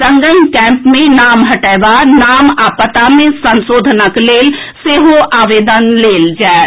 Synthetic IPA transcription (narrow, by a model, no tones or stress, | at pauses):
ɾə̃ŋɡənkɛ̃ːmpmẽnaːmɦəʈɛːʋanaːmaːpət̪amẽsə̃nsoːd̪ʱnəkleːl | seːɦoʔaːʋeːd̪ənleːld͡ʒaːe